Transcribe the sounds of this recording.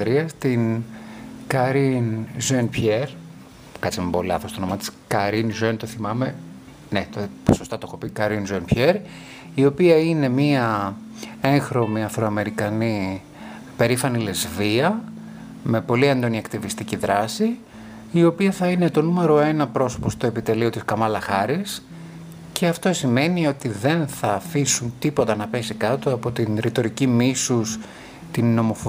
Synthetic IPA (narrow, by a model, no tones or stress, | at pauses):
ɾiɐst̪in | kɐɾinzenpçeɾ | kɐt͡simebo̞lɐ̰θost̪onomɐt̪i̥skɐɾinzent̪oθimɐme̞ | net̪oposo̞st̪ɐt̪oxo̞pikɐɾinzenpʰçeɾ | io̞piɐine̞miɐ | e̞ŋxɾo̞miɐfɾoɐme̞ɾikɐni | pe̞ɾifɐnilezviɐ | me̞po̞liend̪o̞niɐkt̪ivist̪iciðɾɐsiː | o̞piɐθɐine̞t̪o̞nume̞ɾo̞e̞nɐpɾo̞so̞̥po̞st̪oe̞pit̪e̞lio̞t̪iskɐmɐlɐxɐɾis | ce̞ɐft̪o̞sime̞nio̞t̪iðe̞nθɐːfisunt̪ipo̞t̪ɐnɐpe̞sikɐt̪oɐpo̞t̪inɾit̪o̞ɾicimisus | t̪inːo̞mo̞fo